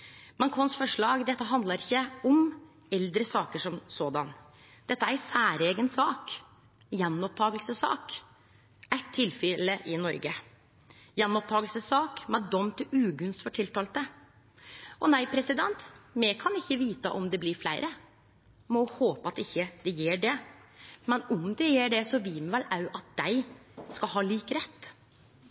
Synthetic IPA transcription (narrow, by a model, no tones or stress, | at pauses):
mɑŋkʰɔnsfɔʂɭɑːɡd̪ɛt̪ːəɦɑnd̪lɑɾɪçːəɔm | ɛld̪ɾəsɑːkəʂɔmsoːd̪ɑ̰n | d̪̥ɛt̪ːəæɾsæːɾeːɡənsɑːk | jɛnːɔp̚t̪ʰɑːɡəlsəsɑ̰ːk | æt̪ʰːɪlfɪləʔɪnɔ̰ɾɡə | jɛnːɔp̚t̪ʰɑːɡəlsəsɑːkmɛɖɔmt̪ɪʉːɡʉnst̪fɔʈʰɪlt̪ɑːlt̪̚d̪ə | ʔɔnæɪpʰɾɛsɪd̪ɛnt̪mɛkʰɑnɪçːəʋiːt̪ə̰ʔɔmd̪ɛblɪɾflæ̰ɪɾʔə | mɔhoːpəɑt̪ɪçːəd̪̥ɛjeːɖɛ | mɛnʊmd̪ɛjeːɖɛsɔʋɪlmɛʋɛlɑʉʔɑt̪̚d̪̥æɪskɑlɦɑːliːkɾɛt̪ː